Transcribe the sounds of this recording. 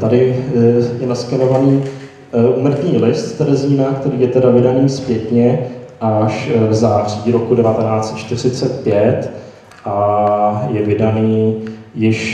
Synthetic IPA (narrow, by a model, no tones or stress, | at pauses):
t̪adɪ | jɛnaskɛno̞vaniː | ʔuːmr̩t̪ɲiːlɪst̪t̪ɛɾɛziːnakt̪ɛɾiːjɛt̪ɛdavɪdaniːspjɛt̪ɲɛʔaʃvzaːr̝iːɾo̞kudɛvat̪ɛnaːt͡sɛ̥t̪t͡ʃt̪ɪr̝ɪt͡sɛt̪̚pjɛt̪ | ʔa | jɛvɪdaniːjɪʃ